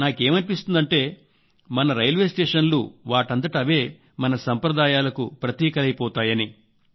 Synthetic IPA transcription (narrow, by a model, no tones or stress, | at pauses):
naːke̞ːmɐnipist̪und̪ɐɳʈe̞ː | mɐnɐɾɐjlʋe̞ːsʈeːʂɐnlṵʋaːʈɐnt̪̬ɐʈɐʋe̞ː | mɐnɐsɐmpɾɐd̪aːjaːlɐkṵpɾɐt̪jiːkɐlɐjpɔːt̪aːjɐni